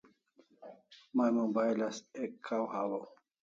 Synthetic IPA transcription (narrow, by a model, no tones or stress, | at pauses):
majmombaelasekʰawhawo